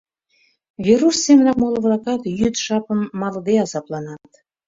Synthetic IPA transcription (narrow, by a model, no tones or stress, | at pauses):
vʲiɾusːemənɑkmolˠə̆vlˠɑkɑt̪jyt̪ʃɑpəmːɑlˠɤ̆d̪eɑzɑplˠɑnɑt̪